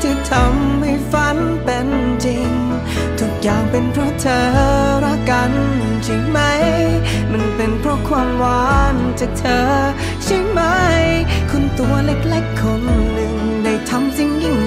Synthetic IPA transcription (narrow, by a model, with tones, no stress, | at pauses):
t̪ʰiː˧˩t̪ʰa˧mha˧˩jfa˧˦˥n | pe˨˧nt͡ɕi˧ŋ | t̪ʰu˧˥k̚jaː˨˩ŋpe˨˧npʰɾɔ˧˥t̪ʰɤː˧ɾa˧˥ka˧˦nt͡ɕʰi˧˩ma˦˥j | ma˧npe˨˩npʰɾɔ˧˥kʰwaː˧mwaː˨˦nt͡ɕaː˨˩k̚t̪ʰəː˧ | sʰi˧˥ma˦˥jkʰo˧nt̪u˧˩ɐle˧˥˩k̚lɛ˧˩kʰːo˧˥nːɯ˨ŋda˧˩jt̪ʰa˧˥msi˧ŋji˧˩ŋ